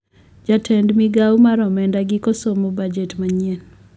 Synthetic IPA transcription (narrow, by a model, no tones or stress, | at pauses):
d͡ʒatʰɛndmiɡawmaɾɔmɛndaɡɪkosomobad͡ʒetmaɲen